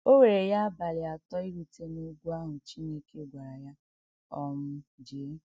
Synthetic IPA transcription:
o˦we˨ɾe˨ja˦a˦ba˨lɪ˨a˨tɔ˦i˦ɾu˨te˦no˦ɡʷu˦a˦ɦʊ˨t͡ʃi˦ne˦ke˦ɡʷa˨ɾa˨ja˦ | ɔ˦m̩˦d͡ʒeː˨˦

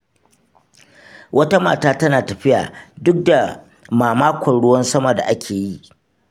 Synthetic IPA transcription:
wʔɐ˦ta˦ma̰ː˨taː˦tɐ˦naː˨tɐ˨ɸɪ˦ja̰ː˨dʊ˦k̚da˨ | maː˨maː˦kʷɐ˨nɽʊ˦wɐ˦nsɐ˦mɐ˨da̰˨ʔa˦kʲʰeː˨ji˦ʔ

